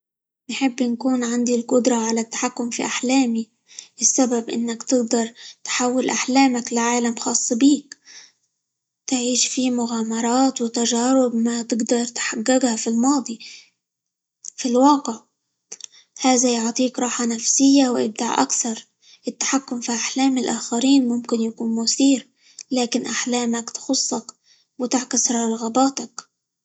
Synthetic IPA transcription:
nħɪbːɪnkuːnʕand̪ilqʊd̪ɾˤɑʕalat̪ːḁħakːʊmfiʔaħlaːmi | ʔɪsːababʔɪ̰nːakt̪ɪɡd̪ɑɾˤt̪ħawːɪlʔaħlaːmaklɪʕaːlamxɑːsˤːbiːk̚ | t̪ʕiːʃfimʊɣaːmɑɾˤɑːt̪wɪt̪aʒaːɾɪbmat̪ɪɡd̪ɑɾˤt̪ħaɡːaɡhafilmɑːd̪ˤi | filwɑːqɪʕ | haːðajʊʕt̪ˤiːkɾˤɑːħanafsɪjːawʔɪ̰b̚d̪aʕʔa̰kθɑɾˤ | ʔɪt̪ːḁħakːʊmfiʔaħlaːmɪlʔaːxaɾiːnmʊmkɪnjakuːnmʊθiːɾ | laːkɪnʔaħlaːmakt̪xʊsˤːɑk | wɪt̪ɪʕkɪsɾˤɑɑɾˤɑɣabaːt̪ak

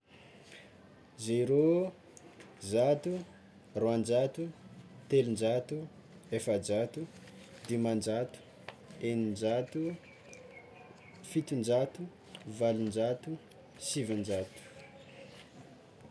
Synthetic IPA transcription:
zeiɾo | zat̪u | roand͡ʒat̪ut̪elund͡ʒat̪u | efad͡ʒat̪u | d̪imand͡ʒat̪u̥ | enind͡ʒat̪u | fit̪und͡ʒat̪u | valund͡ʒat̪u | sivand͡ʒat̪u̥

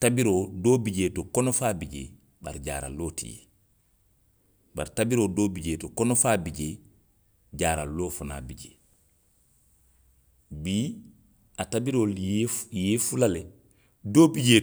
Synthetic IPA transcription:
tabiɾoːdoːbiɟeːtokɔnofaːbiɟḛ | ba̰ɾɟa̰ːɾa̰lːoːtḭjḛ | ba̰ɾtabiɾoːdoːbiɟeːtokɔnofaːbid͡ʒe | d͡ʒaːɾa̰lːoːfana̰biɟeː | biː | atabiɾoːljeːfulale | doːbiɟeː

